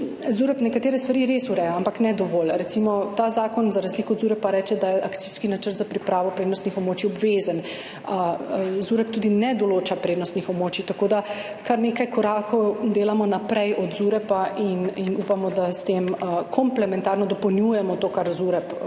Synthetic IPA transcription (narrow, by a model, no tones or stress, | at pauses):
zuɾɛpnɛkat̪eːɾɛst̪ʋaɾiɾesuɾɛjaampaknɛd̪ɔʋoːlɾɛtsimɔt̪aːzaːkɔnzaɾazliːkɔd̪zuɾɛpaɾɛːt͡ʃɛd̪ajɛʔakt̪iskinat͡ʃəɾt̪zapɾipɾaːʋɔpɾeːd̪nɔst̪nixɔbmoːt͡ʃiɔbʋeːzan | zuɾɛp̚t̪uːd̪inɛd̪ɔloːt͡ʃapɾeːd̪nɔst̪nixɔbmoːt͡ʃit̪akoːd̪a | kaɾneːkajkɔɾaːkʰɔwd̪eːlamɔnapɾɛjʔɔd̪zuɾɛpaʔininupamɔd̪ast̪emkʰɔmplɛmɛnt̪aɾnɔd̪ɔpɔwnjujɛmɔt̪oːkaɾzuɾɛp